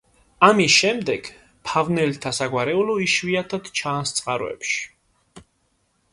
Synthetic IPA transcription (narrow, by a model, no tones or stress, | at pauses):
amisʃɛmd̪ɛɡ̥ | pʰavnɛlt̪ʰasaɡwaɾɛulɔiʃviat̪ʰad̪t͡ʃʰanst̪sʼqʼaɾɔ̰ɛ̰pʃi̥